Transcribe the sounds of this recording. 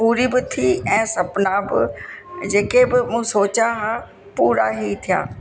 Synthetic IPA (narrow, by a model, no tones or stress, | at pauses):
puːɾiːbɪt̪ʰiːɛ̃ːsɐpnaːbɪ̰d͡ʒeːkebɪmũsoːt͡ʃaːɦaː | puːɾaːɦiːt̪ʰɪja̰ː